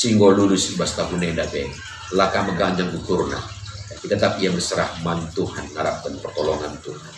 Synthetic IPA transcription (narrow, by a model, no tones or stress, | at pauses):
siŋɡolulʊsibast̪akunendabɛ | lakaməɡaɲd͡ʒaŋkukurna̰jakit̪at̪ap̚iabərsəɾahmant̪uhanŋaɾap̚kənpərt̪ɔlɔŋant̪u